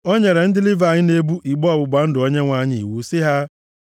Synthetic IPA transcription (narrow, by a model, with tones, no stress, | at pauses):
o˦ɲe˨ɾe˨n̩˦dɪ˦lɪ˦va˨ɲɪ˦ne˦bu˦ʔi˨ɡ͡bɔ˦ɔ˨bʊ˨ɡ͡ba˨n̩˦dʊ˨o˦ɲe˦ŋʷa˦ɲɪ̰˦˨wu˨˦sɪ˦ɦa˦